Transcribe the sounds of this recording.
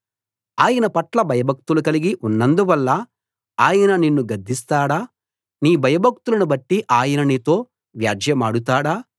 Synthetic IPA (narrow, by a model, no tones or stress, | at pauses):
aːjɐnɐpɐʈlɐbʱɐjɐbʱɐk̚t̪ulukɐliɡiʔunːɐnd̪uʋɐlːɐ | aːjɐnɐninːuɡɐd̪ʱːist̪aːɽaː | niːbʱɐjɐbʱɐk̚t̪ulɐnubɐʈːiʔaːjɐnɐnit̪o̞ː | ʋjaːd͡ʒjɐmaːɽut̪̬aːɽaː